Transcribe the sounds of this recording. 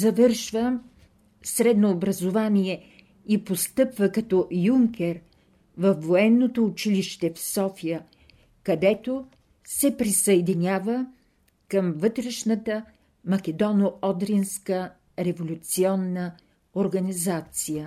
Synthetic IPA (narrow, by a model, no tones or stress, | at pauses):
zɐvɤɾʃvə | sɾɛd̪noːbɾɐzovaniɛ | ipost̪ɤpvəkɐt̪ɔjuŋkʲɛɾ | vɐfːoɛnːot̪oːt͡ʃiliʃt̪ɛfsɔfijə | kɐd̪ɛt̪o | sɛpɾisəɛd̪inʲjavə | kəmvɤt̪ɾɛʃnət̪ə | mɐk̟ɛd̪ɔnoɔd̪ɾinskə | ɾɛvolʲut̪siɔnːə | oɾɡɐnizat̪sijə